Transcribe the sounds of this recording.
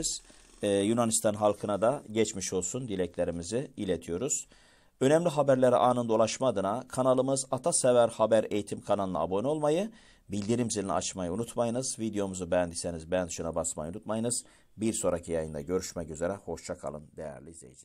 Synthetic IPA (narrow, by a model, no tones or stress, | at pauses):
z̥ | junanist̪ʰanɦalˠkʰɯnad̪aɟɛt͡ʃmiʃo̞lˠsund̪ilʲɛclʲeɾimiziilʲet̪ʰijo̞ɾuz̥ | ø̞nɛmlʲiɦabæɾlʲeɾḭʔaːnɯnd̪o̞lˠaʃmad̪ɯnakʰanalˠɯmɯzat̪ʰasevæɾhabæɾḛjit̪ʰimkʰanalˠɯna̰a̰bo̞nio̞lˠmajɯ | bilʲd̪iɾimzil̰ʲa̰t͡ʃmajɯunut̪majɯnɯzvid̪ejo̞muzubɛnd̪isenizbænd̪ʃunabasma̰junut̪majɯnɯz̥ | biɾso̞ɾacʰijajɯnd̪a̰ɟø̞ɾyʃmɛcyze̞ɾɛho̞ʃt͡ʃʰakʰa̰lˠɯ̰nd̪ejæ̰ɾlʲiizʲejid͡ʒi̥